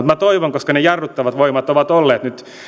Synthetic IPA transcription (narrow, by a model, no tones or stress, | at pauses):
ut̪mæt̪oiʋoŋkoskɑnejɑrːut̪ːɑʋɑt̪ʋoimɑt̪oʋɑt̪olːeːt̪nyt̪